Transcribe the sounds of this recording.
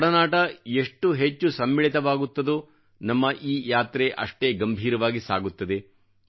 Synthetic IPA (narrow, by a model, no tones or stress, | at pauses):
ɽɐnaːʈɐeʂʈːuɦet͡ʃːusɐmːiɭit̪ɐʋaːɡut̪ːɐd̪u | nɐmːɐʔiːjaːt̪ɾeʔɐ̰ʂʈe̞ːɡɐmbʱiːɾɐʋaːɡisa̰ːɡut̪ːɐd̪e̞